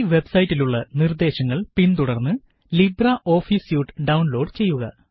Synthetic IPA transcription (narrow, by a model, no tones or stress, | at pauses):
ʋe̞bsɐjitːiluɭːɐnird̪e̞ːɕɐŋːɐɭpint̪uɽɐrnːɨ | librɐʔo̞ːfiːsjuːʈːɨɖɐwnlo̞ːɖt͡ɕe̞jːuɣɐ̰